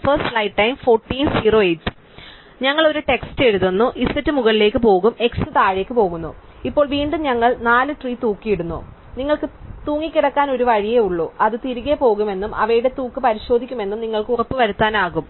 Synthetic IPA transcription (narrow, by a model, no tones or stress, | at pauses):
fɐrsʈlɐjʈːɐjmfo̞ːrʈːiːnsiːro̞ːejtsɨ̥ | ɲɐŋːɐɭo̞ɾuʈe̞ksteɾuðunːuʔisɐtːɨmuɣɐɭile̞ːkːɨpo̞ːɣume̞ksɨt̪aːɻe̞ːkːɨpo̞ːɣunːṵ | ipːo̞ːɭʋiːɳɖumɲɐŋːɐɭnaːlɨʈriːt̪uːkːijiɽunːṵ | niŋːɐɭkɨt̪uːŋːikʲːiɽɐkːaːno̞ɾuʋɐɻijeuɭːuːʔɐðɨt̪iɾuɣepo̞ːɣume̞nːumʔɐ̰ʋɐjuɽe̞t̪uːkːɨpɐɾiɕo̞ːd̪ʱikʲːume̞nːumniŋːɐɭkɨurɐpːɨʋɐɾut̪ːaːnaːɣum